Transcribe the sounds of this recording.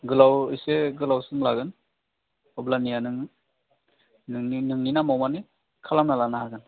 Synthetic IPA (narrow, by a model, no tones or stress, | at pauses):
ɡɯlawiseɡɯlawsɯŋlaɡɯn | ɔblanijanɯŋ | nŋinɯŋninamawmani | kʰalamnalanahaɡɯn